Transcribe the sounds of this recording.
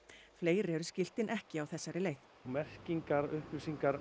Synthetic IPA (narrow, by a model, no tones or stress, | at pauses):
fleːjɾɛɾʏscɪl̥t̪ɪnʔɛhcɪawθɛsːaɾɪleːjθ | mɛr̥ciŋkaɾʏhpɪsiŋkaɾ